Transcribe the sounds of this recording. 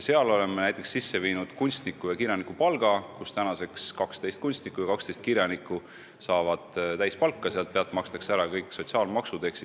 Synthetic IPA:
seɑlo̞le̞mːenæjt̪ːˑe̞ksisːe̞viːnud̪̥kunʲst̪nikːˑujɑkiɾjɑnikːˑupɑlɡ̥ɑkust̪ænɑse̞kskɑkst̪e̞jst̪kunʲst̪nikːˑujɑkɑkst̪ejst̪̚kiɾjɑnikːˑu | sɑːvɑd̪̥t̪æjspɑlkˑːɑseɑlt̪̚peɑlt̪ːˑmɑkst̪ɑ̥kseæɾɑkɤjkːˑso̞t̪ʲsiɑːlmɑksud̪eksi

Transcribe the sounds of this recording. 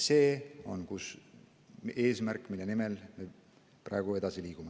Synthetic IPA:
se̞ːo̞̰nkus | e̞ːsmærkːˑmilːe̞nime̞lme | prɑ̰eɡ̥ue̞d̪̥ɑsiliːkume

